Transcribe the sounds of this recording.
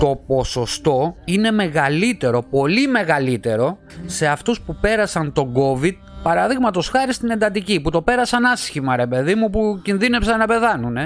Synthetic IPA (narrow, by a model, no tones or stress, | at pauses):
t̪o̞po̞so̞st̪o̞ine̞me̞ɣɐlit̪e̞ɾo̞po̞lime̞ɣɐlit̪e̞ɾo̞ | se̞ɐft̪uspupe̞ɾɐsɐnt̪o̞ɡo̞vid̪̥̚pɐɾɐðiɣmɐt̪o̞sxɐɾist̪ine̞nd̪ɐt̪̬iciput̪o̞pe̞ɾɐsɐnɐsçimɐɾe̞pe̞ðimupucinðine̞psɐnnɐpe̞θɐnune̞